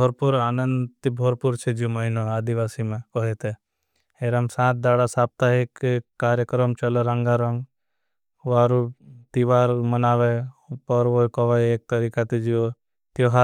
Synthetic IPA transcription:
bɔɾpuɾaːnə̃nd̪t̪ibʱoɾpuɾt͡ʃʰed͡ʒomɐɦinoaːd̪iʋaːsimẽkɔɦet̪e | eɾɐmsãːt̪̚d̪aːɽasaːp̚t̪aɦekːaːɾjəkɾəmt͡ʃɐloɾɐ̃ŋɡaɾɐŋɡ | ʋaːɾut̪iʋaːɾmɐnaːʋepəɾʋokɔʋajeːk̚t̪ɐɾiːkat̪ed͡ʒio | t̪joɦa

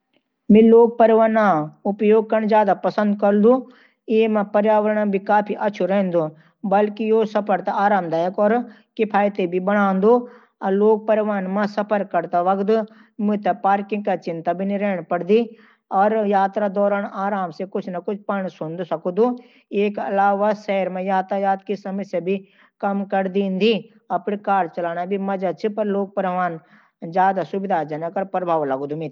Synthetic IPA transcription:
mĩloːɡ̚pɐɾʋaːnaʊpjoːɡ̚kɐɳ̃d͡ʒjaːd̪apɐsə̃nd̪kɐɾd̪ũ | iemɐ̃pɐɾjaːʋəɾɳãbʱikaːpʰiʔɐt͡ʃʰuɾeɦnd̪o | bɐlkijoːsɐpʰəɾt̪aaːɾaːmd̪aːjəkɔːɾ | kɪpʰaːjt̪ebʱibɐɽ̃ãːnd̪o | ɐloːɡ̚pɐɾʋaːnmɐ̃sɐpʰəɾkːɐɾt̪aʋɐkd̪ | mʊ̃t̪ɐpaːɾkɪ̃ŋɡkat͡ʃɪnt̪abʱiniɾɛːɳ̃pɐɽd̪i | ɔːɾjaːt̪ɾad̪ɔːɾəɳaːɾaːmsekʊt͡ʃʰnɐkʊt͡ʃʰpɐɳ̃sʊnd̪sɐkud̪u | eːkɐ̰laːʋasɛɦɾmẽjaːt̪ajaːt̪kisɐmɐsjabʱi | kɐmkɐɾd̪ĩːnd̪i | ɐpɳikaːɾt͡ʃɐlaːnabʱimɐd͡ʒat͡ʃʰipɐɾloːk̚pɐɾʋaːn | d͡ʒjaːd̪asʊbɪd̪ʱad͡ʒɐnəkɐɾpɾɐbʱaːʋlɐɡd̪umit̪

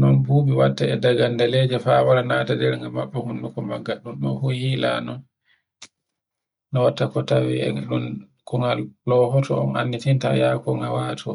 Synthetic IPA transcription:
nɔnbuːbiwatːaɛdaɡandalɛd͡ʒɛfawaɾanaːtadɛɾŋɡamaɓːɛhunːukɔmaɡaɗunɗɔnfuhila̰nɔn | nɔwatːakɔtawiɛ̰aɗun | kɔŋɡallɔɦɔtɔɔnanːitinta̰jakɔŋɡawaːtʰɔ

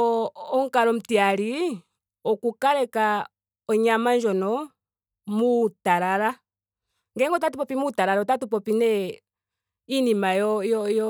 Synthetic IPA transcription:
ɔŋkaɾɔm̩tiali | ɔkukaɾɛka | ɔɲamand͡ʒɔnɔ | mutaɾaɾa | ŋɡɛŋɡɔtatupɔpimutaɾaɾaɔtatupɔpinɛ | inimajɔjɔjɔ

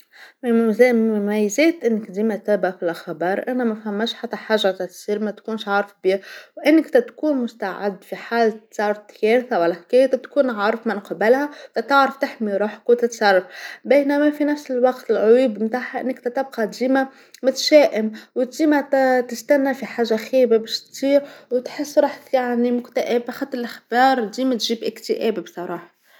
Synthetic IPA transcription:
mzmmæjːzɛːt̪ʔɪnːɪkd̪iːmæt̪æːbfilʔaxbɑːɾˤʔænæmæfhæmːæːʃħat̪ːæħaːʒːæt̪æt̪siːɾmæt̪kuːnʃʕɑːɾˤəfbiːwʔɪnːɪkt̪æt̪kuːnmʊst̪aʕɪ̰d̪ːfiħaːlsɑrˤɾˤt̪jɛːɾθawælːæħkæːjæt̪æt̪kuːnʕɑːɾˤfmɪnqbɪlhæfæt̪ɑʕɾɑft̪ɪħmiɾˤuːħḁkwt̪ɪt̪sɑrˤːɑfbæjnæmæfinæfsɪlwɑqt̪ɪlʕʊjuːbmt̪aːħaʔɪ̰nːɪkt̪æt̪ɪb̚qɑd̪iːma | mʊt̪ʃæːʔɪmwɪt̪d̪iːmæt̪ɪst̪ænːafiħaːʒːaxiːbabɛʃt̪siːɾwt̪ħɪsːɾˤuːħjaʕnimʊkt̪aʔæbxat̪ːlʔaxbɑːɾˤd̪iːmæt̪ʒiːbʔɪkt̪əʔæːbibsˤɑɾˤɑːħɑ̥

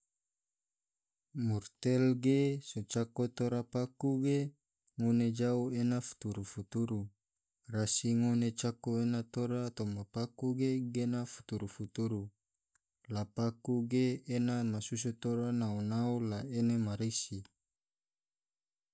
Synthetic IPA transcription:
murt̪elɡesot͡ʃakot̪oɾapakuɡe | ŋoned͡ʒauenafu̥t̪uɾufut̪uɾu | rasiŋonet͡ʃakoenat̪oɾat̪omapakuɡeɡenafu̥t̪uɾufut̪uɾu | lapakuɡeːnamasus̬ut̪oɾanaunaulaenemaɾisi

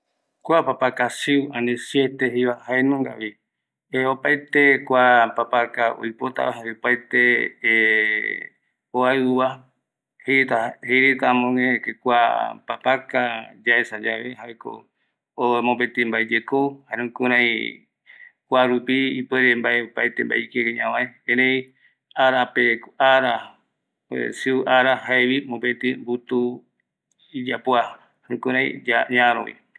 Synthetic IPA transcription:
kʷapapakasiwãnẽsjet̪eɦejβahaenũŋɡa̰βi | eopaet̪ekʷapapakao̰jpot̪a̰βaɦaβeopaet̪e | oaβa | het̪aheɾet̪amõŋẽkekʷapapakad͡ʒaesad͡ʒaβeɦaeko̰ | omõpet̪ĩmbaed͡ʒekohaɾẽkuɾãj̃ | kʷaɾupiipweɾembaeopajt̪emba̰ikekeɲãwãẽẽɾej | aɾapekaɾa | ḛsiuʔaɾahaewimõpet̪ĩmbut̪u | id͡ʒapwa | hɾũkuɾãj̃d͡ʒaɲaɾõ̰wḭ

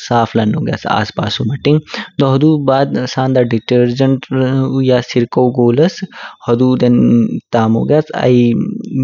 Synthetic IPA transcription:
saːpʰlɐno̰ːɡja̰ːt͡sa̰ːspa̰ːsumɐʈːĩŋɡt̪oɦɐd̪uːbaːd̪saːnd̪aɖiʈəɾd͡ʒəɳʈːjaːsiɾkowɡoːlɐshɐd̪uːd̪ent̪aːmo̰ːɡjaːt͡sʰɐ̰i

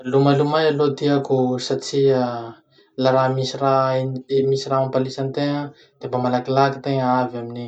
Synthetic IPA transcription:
lumalumajalod̪iakusat͡sia | laɾamisirainemisiramampalisant̪eŋa | d̪̥emamalakilaki̥t̪eŋaavamini

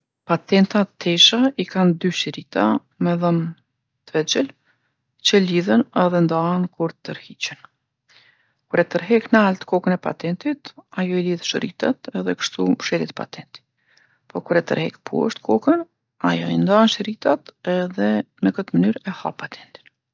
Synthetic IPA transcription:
pat̪ɛnt̪at̪ʰɛʃaʔikand̪yʃəɾit̪a | mɛðəm | t̪əvɛt͡ʃəl | t͡ɕəliðənɛðɛnd̪aənkuɾt̪əɾhit͡ɕən | kuɾɛt̪əɾɦɛknəalt̪ə̥kɔkənɛpa̰t̪ɛnt̪it̪ajɔiliðʃəɾit̪at̪ɛðɛkə̥ʃt̪umʃɛlit̪pa̰t̪ɛnt̪i̥ | pɔkuɾɛt̪ə̰ɾhɛkpʰṵə̰ʃt̪kʰɔkən | a̰jɔind̪anʃəɾit̪at̪ɛðɛ | nəkət̪əmənyɾɛha̰pat̪ʰɛnt̪i̥n

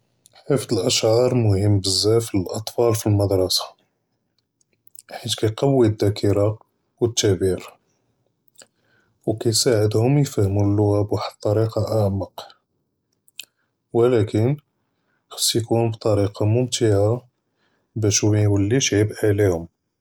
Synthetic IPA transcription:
ħift̪əlʔæʃʕɑɾˤmʊhəmːbəzːæfləlʔɑt̪ˤfɑlfilmɑd̪ɾˤɑsḁ | ħit̪kæjqɑwːid̪ːækʰiɾɑ | wət̪ːæbiɾ | wkæjsaʕəd̪hʊmjfæhmulːʊwæbwaħəd̪̚t̪ˤːɑɾiqɑʔaʕməq | wəlækən | xɑ̥sˤːjkuhʊbt̪ˤɑɾiqɑmʊmt̪aʕa | bæʃmjwəlːiʃʕiəbʔiʕlihʊm

